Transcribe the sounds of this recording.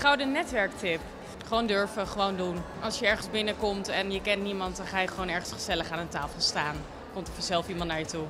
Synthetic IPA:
χawdənɛtʋɛɹktɪp | χəʋowndøɹfəχəʋowndunʔɑlˠsjəɛɹχənzbɪnəkɔmtɛnjəkɛntnimɑntdɑnχaːjəχəʋownɛɹχənsχə̥z̥ɛləχaːnəntaːfəlˠstaːn | kɔmtɔfɔzɛlˠfimɑntnaːɹjətu

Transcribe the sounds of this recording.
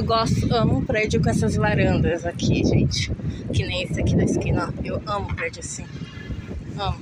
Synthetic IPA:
ewɡɔst̪ʊɐ̃mʊpɾed͡ʒʊkõɛsɐzlaɾɐ̃nd̪ɐzakʰiʒẽt͡ʃɪ̥kɪnẽj̃isakid̪ɐiskĩnɐewɐ̃mʊpɾed͡ʒʊasĩ | ɐ̃mʊ

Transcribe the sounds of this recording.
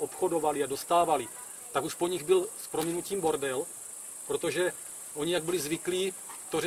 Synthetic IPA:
ʔopxo̞do̞valɪado̞st̪aːvalɪ | t̪akuʃpo̞ɲɪɣbɪlspɾomɪnuciːmbo̞ɾdɛl | pɾo̞t̪o̞ʒɛ | ʔo̞ɲɪjaɡ̚bɪlɪzvɪkliːt̪or

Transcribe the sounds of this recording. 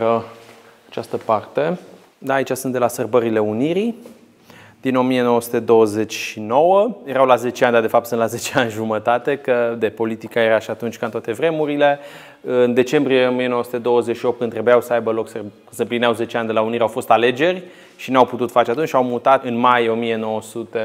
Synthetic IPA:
əat͡ʃast̪əpart̪e̞ | d̪aːit͡ʃasɨnd̪elasərbəɾile̞uniɾi | d̪̥ino̞mijeno̞wəsu̥t̪e̞d̪o̞wəze̞t͡ʃʲʃino̞wəje̞ɾawlaze̞t͡ʃeand̪ad̪e̞fap̚t̪sɨnlazet͡ʃeanʲʒumət̪at̪e̞kəd̪e̞po̞lit̪ikajeɾaʃiat̪unt͡ʃʲkant̪wat̪e̞vɾe̞muɾile̞ | ɨnd̪e̞t͡ʃe̞mbɾijeomienowəsu̥t̪e̞d̪o̞wəzeʃiopt̪̚kɨnt̪ɾe̞bujawsəajbəlo̞ksərbkɨnsəmplineawze̞t͡ʃeand̪e̞launiɾeawfo̞st̪ale̞d͡ʒe̞rʲ | ʃinawput̪ut̪fat͡ʃe̞at̪unt͡ʃʲawmut̪at̪ɨnmajo̞mije̞no̞wəsut̪e̞

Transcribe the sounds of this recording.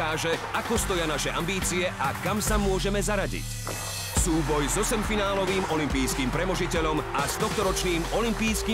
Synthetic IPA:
aːʒɛakɔst̪ɔjanaʃɛʔambiːt͡siɛʔakamsamʊɔʒɛmɛzaɾaɟḭc | suːbɔjzɔsɛmfinaːlɔʋiːmɔlimpiːskiːmpɾɛmɔʒicɛʎɔmast̪ɔxt̪ɔɾɔt͡ʃniːmɔlimpiːskiː

